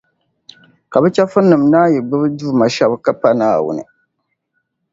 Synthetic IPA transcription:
ka˨bɛ˦t͡ʃɛ˦fɨ˦nːɨ˨mnaː˦jɛ˨ɡ͡bɨ˦bɨ˦duː˦ma˨ʃa˦bka˦pa˦naː˦wʊ̰˨nɨ̰˨

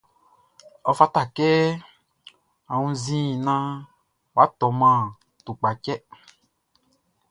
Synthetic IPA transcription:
ɔ˨fa˦t̪a˨kɛ˦ | a˨ŋũ˧zĩ˦˨nã˦ | wa˦t̪ɔ˨˦mã˦˨ | t̪u˨k͡pa˨cɛ˦

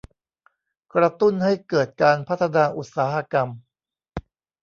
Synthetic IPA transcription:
kɾa˧t̪u˥˩nha˥˩jkɤː˨˩t̪̚kaː˧npʰa˦˥˩t̪ʰːa˧naː˧ʔu˨˩t̪̚saː˩˦ha˧ka˧m

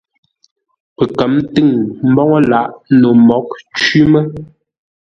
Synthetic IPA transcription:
pɛ˨kə˨˦mtɨ˦˨ŋm̩˦bɔ˦ŋɔ˦la˨ʔno˨mɔ˨˦k̚t͡ʃɥi˦mə˦

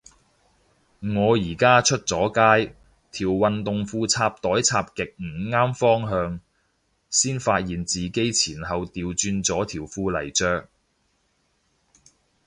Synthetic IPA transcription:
ŋɔː˨˧jiː˨˩kaː˥t͡ʃʰɵ˥t̚t͡sɔː˨˥kaː˥j | t̪ʰiː˨˩wwɐ˨nt̪ʊ˨ŋfuː˧t͡sʰaː˧p̚t̪ɔː˨˥jt͡sʰaː˧p̚kɪ˨k̚m̩ː˨˩ŋaː˥mfɔː˥ŋɦœː˧ŋ | siː˥nfaː˧t̚jiː˨nt͡siː˨ke˥jt͡sʰiː˨˩nɦɐ˨wt̪iː˨˧wt͡ʃyː˧nt͡sɔː˨˥t̪ʰiː˨˩wfuː˧lɐ˨˩jt͡ʃœː˧k̚

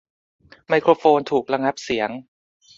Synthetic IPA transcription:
ma˧jkʰɾoː˧foː˧nt̪ʰuː˨˩k̚ɾa˧ŋa˦˥p̚si˩˦əŋ

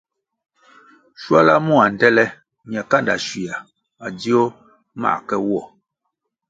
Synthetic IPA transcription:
ʃwa˦la˦mu˦˨a˨n̩˨dɛ˦lɛ˦ | ɲja˨ka˦˨nda̰˨ʃwi˨a˨ | a˨di˦o˦ | ma̰˦˨kɛ˦wɔ˦˨

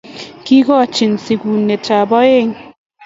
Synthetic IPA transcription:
ki˦ɡɔ˦˨t͡ʃi˨nsi˨ɡu˨nːe˨ta˨bɔ˦e˦˨ŋ

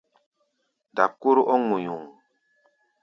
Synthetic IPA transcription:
da˨ko˦ɾu˦ʔɔ˦ŋu˨ɲu˨ŋ

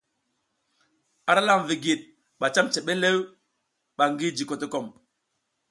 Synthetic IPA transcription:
a˦ɾa˦la˦˨m˨vi˨ɡi˨t̚ | ɓa˨t͡ʃa˦mt͡ʃe˨ɓe˦le˦w | ɓa˨ŋɡi˦d͡ʒi˨ko˨te˦ko˨m

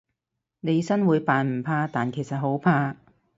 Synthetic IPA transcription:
ne˨˧jsɐ˥nwuː˨˧jpaː˨nm̩˨˩pʰaː˧t̪aː˨nkʰe˨˩jsɐ˨t̚ɦo˨˥wpʰaː˧

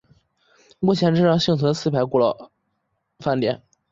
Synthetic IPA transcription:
mu˥˩t͡ɕʰjɛ˧˥nʈ͡ʂɻ̩˥˧ɻɑ˥˧ŋɕi˥˩ŋt͡sʰɤ˧˥ə˧sʰɹ̩˥˩pʰa˧˥ɪku˥˩lɑ˧˩ʊ | fa˥˩nt̪jɛ̰˧˥˩n

